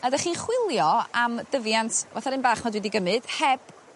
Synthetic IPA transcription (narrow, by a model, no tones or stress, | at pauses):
adaχiːnχwɪlˠjɔamd̥əvjantʰva̰θaɾɪnbaːχmadwɪdiɡəmɨd̥hɛb̥